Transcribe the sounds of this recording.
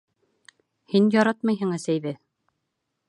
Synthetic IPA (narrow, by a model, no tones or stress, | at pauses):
hinjɑɾɑt̪̚mɤjɦɤ̆ŋæ̆sæjðɘ